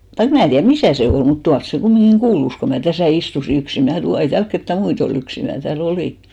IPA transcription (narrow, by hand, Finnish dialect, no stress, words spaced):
tɑik mnæˑ tiær misæˑ se ol mut tuɑls se kumːiŋɡ̊iŋ ɡ̊uːlus ko mæ tæsæˑ istusi yksi mnæˑ ei tæːlk ketːæ muit ol yksi mæː tæːl oliˑ